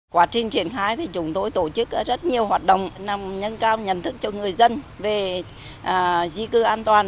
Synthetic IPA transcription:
kwaː˦˥t͡ɕï˨˩ŋ̟t͡ɕi˧˩ənxaː˧jt̪ʰi˨˩t͡ɕʊ˨˦ŋ͡mt̪o˧jt̪o˧˩t͡ɕɨ˦˥k̚zə˦˥t̚ɲi˨˩əwɦhwaː˨˩t̚ɗə̰˧˨wŋ͡mna˨˩mɲə˧nkaː˧wɲə̰˧˩nt̪ʰɨ˦˥k̚t͡ɕɔ˧ŋɨ˨˩əjzə˧nve˨˩ | ʔːzi˧kɨ˧ʔaː˧nt̪waː˨˩n

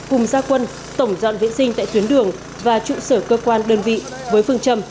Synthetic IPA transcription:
kʊ˨˩ŋ͡mzaː˧kwə˧n | t̪ə˧˩wŋ͡mzɔ̰˧˨nvḭ˧˨nsï˧ŋt̪a̰ː˧˨t̪wənɗɨ˨˩əŋ | vaː˨˩t͡ɕṵ˧˨səː˧˩kəː˧kwaː˧nɗəː˧nvḭ˧˨ | vəː˨˦jfɨ˧əŋt͡ɕə˧m

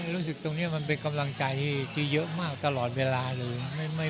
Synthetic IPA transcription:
ɾuː˦˥s̬ɯ˨˩k̚t̪o˧ŋni˦˥ɐma˧npe˧nka˧mla˧ŋt͡ɕa˧jt̪ʰiː˥˩t͡ɕ̪ʰi˧˩jɤ˦˥ʔmaː˥˩k̚t̪a˧lɔː˨˩t̪̚weː˧laː˧lɤː˧jma˥˩jma˥˩

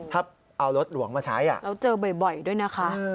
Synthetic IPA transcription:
t̪ʰa˦˥˩p̚ | ʔa˧wɾo˦˥t̪̚lu˨˩˦əŋmaː˧t͡ɕʰaː˦˥jʔa̰˨˩lɛː˦˥wt͡ɕɤː˧bɔ˨˩jbɔ˨˩jdu˥˩əjna˦˥kʰa˦˥ʔ

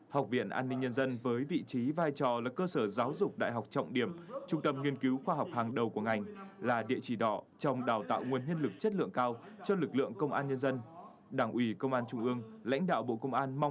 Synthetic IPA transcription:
ha˨˩wk͡p̚vḭ˧˨ənʔaː˧nːï˧ŋɲə˧nzə˧nvəː˨˦jvḭ˧˨t͡ɕi˨˦vaː˧jt͡ɕɔ˨˩laː˨˩kəː˧səː˧˩zaː˨˦wzʊ˨˩k͡p̚ɗa̰ː˧˨jɦa˨˩wk͡p̚t͡ɕɔ̰˧˨wŋ͡mɗi˧˩əmt͡ɕʊ˧ŋ͡mt̪ə˧mŋi˧ənki˨˦wxwaː˧ɦa˨˩wk͡p̚haː˨˩ŋɗə˨˩wku˧˩əŋa˨˩jŋ̟laː˨˩ɗḭ˧˨ət͡ɕi˧˩ɗɔ̰˧˨ | t͡ɕɔ˧wŋ͡mɗaː˨˩wt̪a̰ː˧˨wŋu˨˩ənhi˧ənlɨ˨˩k̚t͡ɕə˦˥t̚lɨ̰˧˨əŋkaː˧w | t͡ɕɔ˧lɨ˨˩k̚lɨ̰˧˨əŋkə˧wŋ͡mʔaː˧nɲə˧nzə˧n | ɗaː˧˩ŋʔwi˧˩kə˧wŋ͡mʔaː˧nt͡ɕʊ˧ŋ͡mʔɨ˧əŋla̰˧˥jŋ̟ɗa̰ː˧˨wɓo̰˧˨kə˧wŋ͡mʔaː˧nma˧wŋ͡m

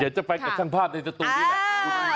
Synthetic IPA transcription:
i˨˦t͡ɕa˨˩pa˧jka˨˩t͡ɕʰaː˥˩ŋpʰaː˥˩p̚na˧jsa˧˩t̪u˧˩˥

